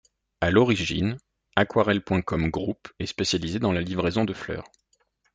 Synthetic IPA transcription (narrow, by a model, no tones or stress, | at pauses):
alɔʁiʒḭn | akwaʁɛlpwɛ̃kɔmɡʁupɛspesjalized̪ɑ̃lalivʁezɔ̃d̪əflœ̰ːʁ